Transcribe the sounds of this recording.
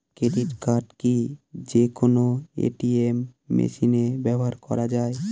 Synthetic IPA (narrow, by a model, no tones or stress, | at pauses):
keɖiʈkaɾɖkid͡ʑekonoḛʈiemːḛʃinebɛbʱoɦaɾkɔ̰ɾad͡ʑae